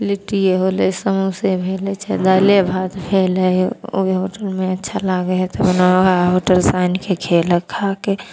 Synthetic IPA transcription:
lɪʈijeɦoːlesəmusebʱeːlet͡ʃad̪aːlebʱaːt̪bʰʱeːləo̰eɦoːʈəlmẽətːʃʰalaɡeɦt̪əbnaɦoːʈəlsaːnkekʰeləkʰːaːke

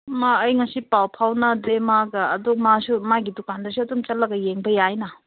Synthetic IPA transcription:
maːjŋɐsipawpʰawnɐdemaɡɐːdumasumaɡidukandɐs̬uɐdumt͡ʃɐt̚lɐɡɐjeŋbɐjajnɐ

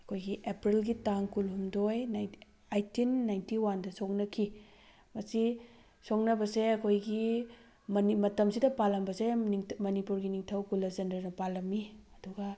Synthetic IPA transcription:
ɐkʰojɡiʔepɾilɡitaŋkulhumdojn | ajtinːajntiwandɐsok̚nɐkʰi | mɐsi | soknɐbɐseɐkʰojɡi | nimɐtɐmsidɐpalɐmbɐseiŋmɐnipuɾɡiniŋtʰɐwkulːɐzendɐɾnɐpalɐmːiɐduɡɐ

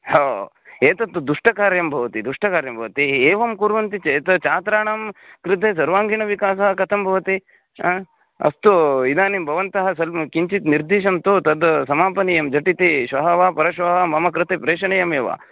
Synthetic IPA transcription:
hoː | eːt̪ɐt̪ːud̪uʂʈɐkaːɾjɐmbʱɐʋɐt̪id̪uʂʈɐkaːɾjɐmbʱɐʋɐt̪ieːʋɐmkuːɾʋɐnt̪it͡ʃeːt̪ɐt͡ʃaːt̪ɾaːɳɐmkɾɪt̪̬eːs̬ɐɾʋaːŋɡiɳɐʋikaːsɐɦɐkɐt̪ʰɐmbʱɐʋɐt̪i | ɐ̰st̪uid̪aːnimbʱɐʋɐnt̪ɐɦɐsɐlkiɲt͡ʃit̪niɾd̪iːʃ̬ɐmt̪ot̪ɐd̪sɐmaːpɐnijɐmd͡ʒɐʈit̪eʃʋɐɦɐʋaːpɐɾɐʃʋɐɦʋaːmɐmɐkɾɪt̪epɾeːʃɐɳɐjɐmeːʋa̰ː

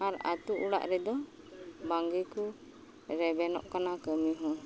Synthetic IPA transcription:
aɾa̰t̪uʔuɽa̰ʔɾɛd̪ɔ | baŋɡɛku | ɾɛbɛnɔ̰ʔkanakəmiɦɔ̃

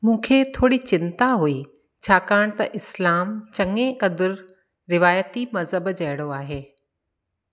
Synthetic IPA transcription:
mũːkʰet̪ʰoːɽit͡ɕɪnt̪aɦui | t͡ɕʰaːkaːɽ̃t̪ɐʔɪslaːmt͡ɕɐŋẽkɐd̪ʊɾ | ɾɪʋaːjət̪imɐzɦəbd͡ʑɐɦɪɽ̃oaːɦeː

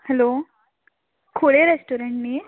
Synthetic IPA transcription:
hɛlo | kʰoɽeɾesʈoɾeɳʈni

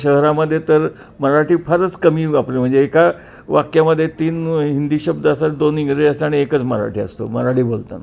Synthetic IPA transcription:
ɕəɦɾaməd̪ʱːjet̪əɾ | məɾaʈiːfʰəɾət͡skəmiːapɽim̤əɳd͡zeeka | ʋakjaməd̪ʱːjet̪iːnɦind̪iːɕəb̚d̪asaʈd̪oniɡɾeəst̪aaɽ̃iekət͡sməɾa̰ʈiːə̰st̪o̰məɾaɽiːbolt̪a̰n

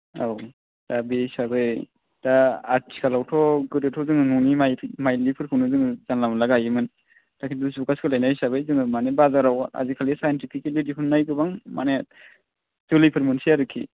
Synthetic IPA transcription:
aw | d̥abesabɯj | d̥aaɾtʰi̥kʰalawtʰɔɡɯɾɯtʰɔzɯŋɯnunimajʰmajlipʰɯɾpʰɯnɯzɯŋɯzanlamalaɡajɯmɯn | takʰiusukaskɯlajnajsabɯjzɯŋɯmanebazaɾawa̰zikʰalisajntipʰikelidipʰɯnːajkɯbaŋma̰ne | z̥ulipʰɯɾmɯnsiaɾɯkʰḭ

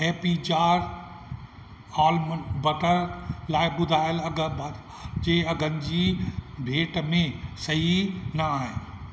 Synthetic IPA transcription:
ɦeːpit͡ɕaːɾ | aːlmbɐʈəɾlaːɪɓʊd̪ʱaːɪjəlɐɡb | d͡ʑeːɐɡʱənɪ̆d͡ʑibʱeːʈmẽsɐɦinɐaːɦɪ̰

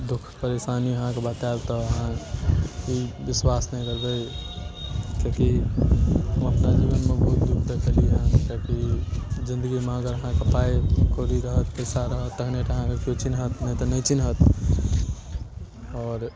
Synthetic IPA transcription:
d̪ʊkʰpəɾesaːniəɦãkebaːt̪alt̪ɔəɦãkiʋɪswasnəɦĩkəɾbə | kjõki | ɦəməpnad͡ʒiːʋənmẽbʱuːt̪d̪ukʰd̪ekʰəliɦɛ̃kokizɪ̃nd̪əɡimẽɡəɾəɦãkepaːekoɾiɾəɦət̪pəɪsaɾəɦət̪ːəkʰneʈ̪əɦãkekjot͡ʃinɦət̪nəĩt̪ɔnəĩt͡ʃinɦət̪ | ɔːɾ

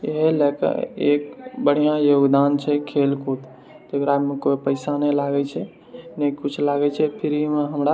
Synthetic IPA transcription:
eɦelɛkə̰ḛkbəɽ̤ijãjoɡd̪ant͡ʃʰɛkʰelkot̪ | t̪ekɾamekopəɪsanɛlaɡɛt͡ʃʰɛ | nekut͡ʃʰlaɡɛt͡ʃʰɛpʰiɾimeɦəmɾa

